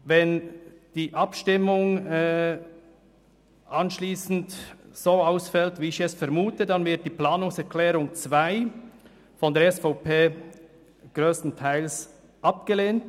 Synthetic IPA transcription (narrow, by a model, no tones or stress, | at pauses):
vɛnd̥iːʔɑpʃtɪmʊŋ | ʔɑnʃliːsn̩tz̥oːaʊsfɛltviːɪçɛsfɛɾmuːtədɑnvɪɐt̚d̥iːplaːnʊŋsɛɾkʰlɛːɾʊŋt͡svaɪ | fɔndɛːɐɾɛsfaʊpʰeː | ɡ̥ɾøːstn̩tʰaɪls | ʔɑp̚ɡ̥əleːnt